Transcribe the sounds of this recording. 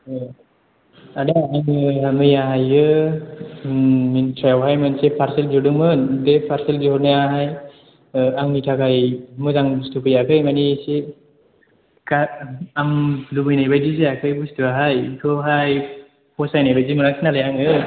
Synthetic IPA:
adɯaminɯamɯjaɦajɯ | mintʰɾajawɦajmɯnsepʰaɾseld͡ʒɔdɯmɯndepʰaɾselziɦɔɾnajaɦaj | aŋnitʰakajmɯzaŋbustupʰɯjakʰɯjmanise | kaamlubɯjnajbajdiseakʰɯjbustɯaɦajtʰɔɦaj | pɔsajnabajzimɯnaksʰinalajaŋɯ

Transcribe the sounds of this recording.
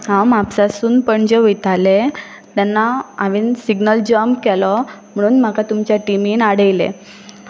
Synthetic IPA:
ɦãmapsasuːnpəɳd͡ʑeʋit̪ale | t̪anːaaʋinsiɡnəld͡ʑəmkɛlɔm̤əɽ̃uːnm̤akat̪umt͡ɕjaʈimiːnaɽəjlḛ

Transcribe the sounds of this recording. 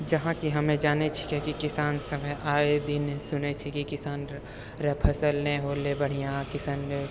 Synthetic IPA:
d͡ʒɐɦãkiɦɐmẽd͡ʒaːnet͡ʃʰi̥kɛkikɪsaːnsɐməʔaːed̪ɪnsʊnet͡ʃʰikikɪsaːn | ɾɐpʰəsəlnẽɦoːlebɐɽ̤ijãkɪsəne

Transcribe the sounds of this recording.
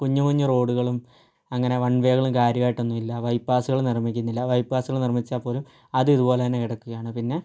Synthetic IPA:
kuɲːukuɲːuro̞ːɽuɣɐɭum | ɐŋːɐne̞ʋɐɳʋeːɣɐɭumkaːɾjɐmaːjʈːonːumilːɐʋɐjpːaːsuɣɐɭmnirmːikʲːunːilːɐʋɐjpːaːsuɣɐɭnirmit͡ɕːaːpːo̞ːlum | ɐðɨiðubo̞ːlet̪ɐnːekiɽɐkːuɣɐjaːɳɨpinːe̞

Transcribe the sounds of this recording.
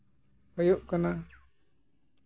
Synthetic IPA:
hɔjuʔkana

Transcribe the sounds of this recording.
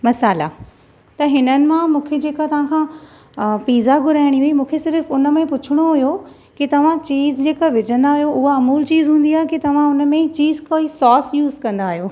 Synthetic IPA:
mɐsaːla̰ | t̪ɐɦɪnənɪ̆mãmũːkʰed͡ʑeːkat̪ɐʋ̤ãkʰãː | piːzaɡʱʊɾaːɪɽ̃iɦuimũːkʰesɪɾfʊnəmẽpʊt͡ɕʰɪɽ̃oɦʊjo | kit̪ɐʋ̤ãt͡ɕiːzd͡ʑeːkaʋɪd͡ʑʱə̃nd̪aːɦijoʊɦaɐmuːlt͡ɕiːzɦũːnd̪iaːɦekit̪ɐʋ̤ãʊnə̆mẽt͡ɕiːzkoːisɔːsjuːzkɐ̃nd̪aːɦijoː

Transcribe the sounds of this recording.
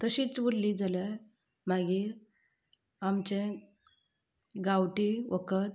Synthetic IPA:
t̪əɕit͡sʋolliːd͡zʱalə | maɡiːɾ | amt͡ɕẽ | ɡawʈiʋəkət̪

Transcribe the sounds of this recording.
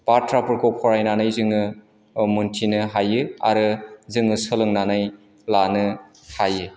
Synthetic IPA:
b̥atʰɾapɯɾkɔpʰɔɾajnanɯjzɯŋɯ | muntʰinɯɦajɯa̰ɾɯzɯŋɯsɯlɯŋnanaj | lanɯ | hajɯ

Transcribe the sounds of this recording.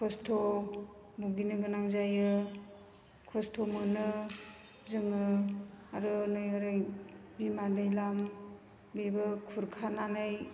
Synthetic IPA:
kʰɔstʰɔ | buɡinɯɡɯnaŋzajɯ | kʰɔstʰɔmɯnɯ | zɯŋɯaɾɯnojɯɾɯjbimadɯjlam | bibɯkʰuɾkʰananɯj

